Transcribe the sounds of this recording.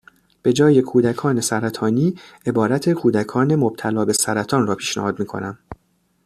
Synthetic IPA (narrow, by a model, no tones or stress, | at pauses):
b̥e̞d͡ʒɒːje̞kʰuːd̪ækʰɒːne̞sæɾæt̪ʰɒːniːe̞bɒːɾæt̪ʰe̞kʰuːd̪ækʰɒːne̞mob̥̚t̪ʰælɒːbe̞sæɾæt̪ʰɒːnrɒːpʰiːʃnæ̰hɒːd̪miːkʰo̞̰næm